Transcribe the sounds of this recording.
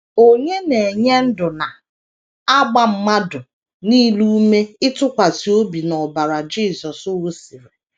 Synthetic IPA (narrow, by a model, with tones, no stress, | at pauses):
o˦ɲe˦ne˨e˨ɲe˦n̩˦dʊ˨na˨ | a˦ɡ͡ba˦m̩˦ma˦dʊ˨ | niː˦lu˦me˦ɪ˦tʊ˦kʷa˨si˨o˦bi˨nɔ˨ba˨ɾa˨d͡ʒi˦˨sɔ˨sʊ˦wo˦si˨ɾe˨